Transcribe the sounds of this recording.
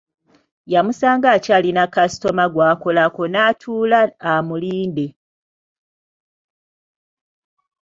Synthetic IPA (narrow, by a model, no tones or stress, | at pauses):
jamusaːŋɡaːcalinakasi̥to̞maɡwaːko̞lako̞natʰuːlaːmuliːnde̞